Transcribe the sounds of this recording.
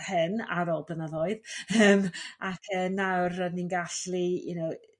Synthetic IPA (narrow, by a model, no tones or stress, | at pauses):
hɨna̰ɾɔlˠbənaðɔɨðəːmakʰəːnawrəninɡaɬlijṵnow